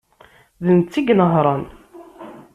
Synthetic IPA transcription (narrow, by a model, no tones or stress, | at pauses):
ðənt͡sːiɡnəɦɾˤɑn